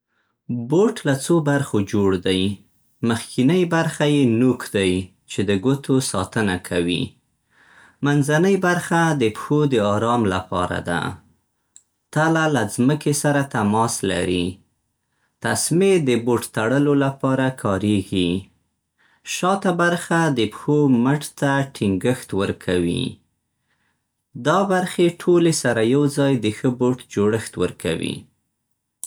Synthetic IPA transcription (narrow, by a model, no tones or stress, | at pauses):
boʈlat͡sobaɾxod͡ʒoɽd̪aj | məxkʰinəjbaɾxajenukd̪aj | t͡ʃed̪əɡot̪osɑt̪ənakʰawḭ | manzanəjbaɾxad̪əpxod̪əɑɾɑmlapɑ̰ɾa̰d̪a̰ | t̪alalazməkesaɾat̪amɑsla̰ɾi | t̪asmed̪əboʈt̪aɽəlolapɑɾakʰɑɾeɡi | ʃɑt̪abaɾxad̪əpxoməʈt̪aʈʰɪŋɡəxt̪wəɾkʰawḭ | d̪ɑbaɾxeʈʰolesaɾajawzɑjd̪əxəboʈd͡ʒoɽəxt̪wəɾkʰawḭ